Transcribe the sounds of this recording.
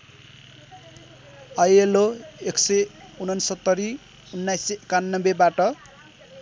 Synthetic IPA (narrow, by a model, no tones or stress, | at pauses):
ʌjeloeksʌjunʌnsʌt̪ːʌɾi | unːajskanːʌbebaʈʌ